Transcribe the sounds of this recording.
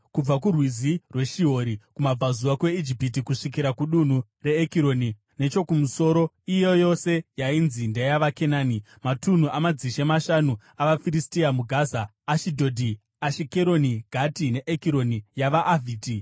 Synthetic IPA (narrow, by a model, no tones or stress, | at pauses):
kub͡vak̬urwizirwe̞ʃiɦo̞ɾikumab͡vazuwakwe̞id͡ʒipit̬ikuʂik̬iɾakuɗun̤u | re̞ːkiɾo̞ni | ne̞t͡ʃo̞kumuso̞ːɾo̞ | ijo̞jo̞se̞jainzindejaʋake̞naːni | matun̤uʔamad͡ziʃemaʃanu | aʋafiɾistiamuɡʱaːzaː | ʃidʱo̞dʱi | aʃikeɾo̞niɡʱatine̞ʔekiɾo̞nijaʋaʔːvʱiːti